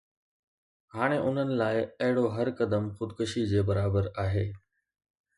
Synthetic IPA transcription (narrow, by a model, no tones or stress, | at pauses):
haːɽ̃eʔʊn̤ənɪ̆laːɪɐɦɪɽoɦɐɾkɐd̪əmxʊd̪kʊʃid͡ʑeːbɐɾaːbəɾaːɦeː